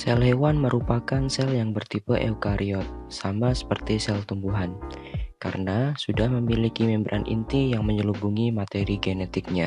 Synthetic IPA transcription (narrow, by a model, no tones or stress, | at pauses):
sɛlɦewanməɾupakansɛljaŋbərt̪ipəʔɛ̰ukaɾʔiɔt̪̚samasə̥pərt̪isɛlt̪umbuɦankaɾənasudahməmilikimɛmbɾʔa̰nʔḭnt̪ijaŋməɲəlubuŋimat̪eɾiɡenet̪ɪk̚ɲa